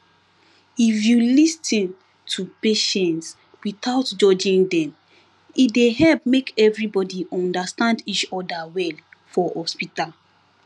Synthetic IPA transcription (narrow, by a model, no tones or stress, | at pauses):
ifjulistĩn | tʰupeʃɛ̃nts | wit̪aʊtd͡ʒɔd͡ʒĩndɛ̃m | ideɦɛlpmekɛvɹibɔdiʔɔ̃ndastãndit͡ʃɔdawɛlfɔhɔspital